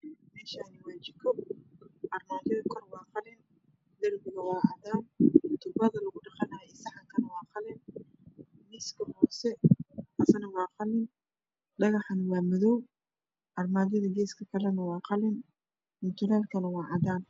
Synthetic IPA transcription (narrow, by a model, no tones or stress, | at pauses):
mɛːʃaːnɪwɑːt͡ʃɪkʰɔ | ʔɑrmaːðɐðɐkʰɔrwɑːqɑlɪn | d̪ɐrmɪɣɐwɑːʕɑdaːnt̪ʰʊbɐðɐlɐɣʊɖɑqɑnaɛsɑħɑkʰɐnɐwɑːqɑlɪn | miskʰɐhɔːsɛɐsɐnɐwɑːqɑlɪn | ɖɑɣɑħɑnwɑːmɪðɔw | ʔɑrmaːðɐðɐɡɛːskʰɐkʰɐlɛnɐwɑːqɑlɪn | mʊt̪ʰʊlaːlkʰɐnɐwɑːʕɑðaːn